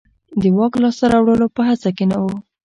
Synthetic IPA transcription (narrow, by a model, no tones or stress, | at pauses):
d̪əwɑklɑsaɾawɽəlopəɦat͡sakenawo